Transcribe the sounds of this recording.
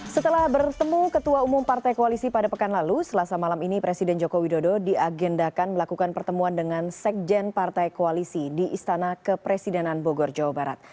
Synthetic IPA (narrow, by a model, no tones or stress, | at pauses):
sət̪əlahbərt̪əmukət̪uaumʊmpart̪ajkoalisipadapəkanlalusəlasamalaminipɾesidɛnd͡ʒokowidododiaɡɛndakanməlakukanpərt̪əmuandəŋansɛk̚d͡ʒɛnpart̪ajkoalisidiʔist̪anakəpɾesidɛnanboɡɔrd͡ʒawabaɾa̰t̪̚